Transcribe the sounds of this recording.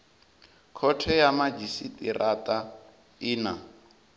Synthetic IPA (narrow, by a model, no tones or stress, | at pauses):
kʰɔtʰɛjamad͡ʒisitʼḭrʔatʼa | ina